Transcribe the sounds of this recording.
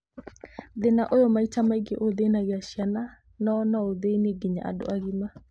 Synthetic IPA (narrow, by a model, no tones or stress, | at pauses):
ðenaʔojɔmaitamaiɡeʔoðenaɣeaʃiana | nɔːnaoðeneɡiɲa̰a̰do̰aɣima